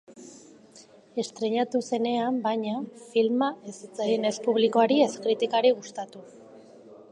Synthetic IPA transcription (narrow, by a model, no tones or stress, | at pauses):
e̞st̪ɾe̞ɲat̪use̞ne̞ambajɲafilmaesit͡sajene̞spuβ̞liko̞aɾie̞skɾit̪ikaɾiɣ̞ust̪at̪u